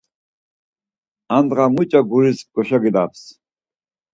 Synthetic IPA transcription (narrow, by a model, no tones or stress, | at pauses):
and̪ʁamut͡ʃʼaɡuɾisɡɔʃaɡid̪aps